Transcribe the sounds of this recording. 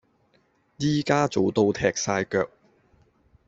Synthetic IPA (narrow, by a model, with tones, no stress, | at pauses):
jiː˥kaː˥t͡so˨wt̪o˧wt̪ʰɛː˨k̚saː˧jkœː˧k̚